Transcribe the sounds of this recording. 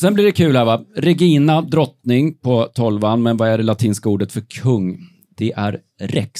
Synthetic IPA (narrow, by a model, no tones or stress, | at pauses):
sɛnblɪɖɛkʰʉ̟ːlhæɾvaɾɛɡiːnad̪ɾɔt̪nɪŋpʰɔt̪ʰɔlvanmɛnvaæɖɛlat̪ʰiːnskauːɖət̪fœɾkʰɵŋː | d̪̥ɛʔæɾ | ɾɛk